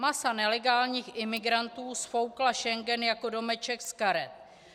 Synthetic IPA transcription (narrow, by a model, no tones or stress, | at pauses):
masanɛlɛɡaːlɲiːxʔɪmɪɡɾant̪uːsfo̞wklaʃɛŋɡɛnjako̞do̞mɛt͡ʃɛkskaɾɛt̪